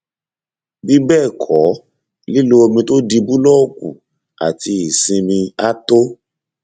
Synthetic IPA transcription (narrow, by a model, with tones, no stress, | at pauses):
bi˦bɛː˦˨kʰɔ˨˦ | li˦lu˦o˧mĩ˧to˦di˧bu˦lɔ˦˨kṵ˨ | a̰˨ti˧i˨sĩ˧mĩ˧a˦to˦